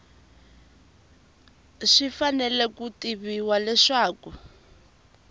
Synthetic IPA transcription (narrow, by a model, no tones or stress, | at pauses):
ʂifanɛlɛkutiβiwalɛʂaːku